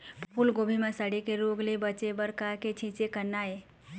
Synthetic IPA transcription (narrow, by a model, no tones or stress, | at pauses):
ppʰulɡobʱimãsəɽekeɾoɡlebət͡ʃebəɾkaket͡ʃʰĩt͡ʃekəɾnae